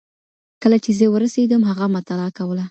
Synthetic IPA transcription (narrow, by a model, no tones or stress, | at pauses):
kəlat͡ʃezəwəɾased̪əmɦaɣamat̪alɑkawəla